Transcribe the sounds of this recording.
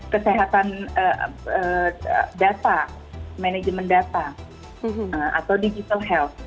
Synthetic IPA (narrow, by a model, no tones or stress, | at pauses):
kəseɦat̪anəəədat̪a | mened͡ʒəməndat̪a | əma̰t̪awdid͡ʒit̪alɦɛlt̪̚